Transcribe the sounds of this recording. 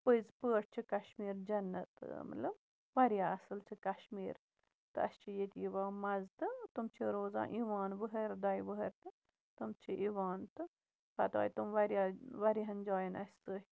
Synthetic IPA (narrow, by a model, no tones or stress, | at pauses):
pəjzpəːʈ̚ʰt͡ʃʰikɐʃmiːɾd͡ʒɐnːɐt̪ɨ̰mɐ̰lɐ̰b | ʋɐɾjaːɐsɨlt͡ʃʰikɐʃmiːɾ | t̪ɨɐ̰st͡ʃʰijet̪ʲiʋãːmɐzt̪ɨt̪umt͡ʃʰiɾoːzã̰ːʔiʋaːnʋəɦɐɾd̪ɐjʋɨɦɐɾt̪ɨ | t̪umt͡ʃʰiʔiʋaːnt̪ɨ | pɐt̪a̰ːjt̪umʋɐɾjaːʋɐɾiɦɐnd͡ʒaːjɐnɐ̰sʲt̪ɨɦ